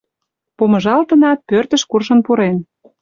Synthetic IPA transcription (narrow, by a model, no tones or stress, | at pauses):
pomɤ̆ʒɑlt̪ə̆nɑt̪̚pørt̪ə̆ʃkurʃə̆npuɾen